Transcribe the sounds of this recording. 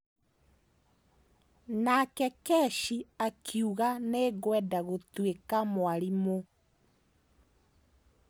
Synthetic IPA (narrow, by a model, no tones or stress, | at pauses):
nakɛkɛʃiakʰiuɣaneɣwɛdaɣotwekamwaɾimo